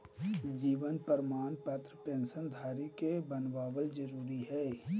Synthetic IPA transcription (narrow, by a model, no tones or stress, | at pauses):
d͡ʒiːʋənpəɾmaːnpət̪ɾəpẽːnsənd̪ʱaːɾikebənʋaːwəld͡ʒəɾuːɾiɦɛː